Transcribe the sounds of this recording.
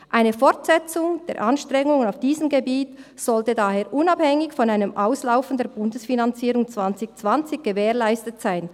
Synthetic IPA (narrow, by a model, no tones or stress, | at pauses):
ʔaɪnəfɔʁtsɛt͡sʊŋd̥eːɐʔanʃtʁ̥ɛŋʊŋənaʊfd̥iːzəmɡebiːtz̥ɔltədaːheːɐʔʊnɑphɛŋɪçfɔnaɪnəmʔaʊslaʊfn̩deːɐbʊndəsfinant͡siːɾʊŋt͡sv̥ant͡sɪçt͡sv̥ant͡sɪçɡ̥əveːʁlaɪstətsaɪn